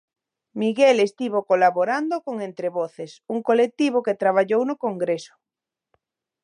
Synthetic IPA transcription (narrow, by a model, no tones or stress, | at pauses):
miɣelest̪iβokolaβoɾand̪okoŋent̪ɾeβoθesuŋkolek̚t̪iβ̞oket̪ɾaβ̞aʎownokoŋɡɾeso̥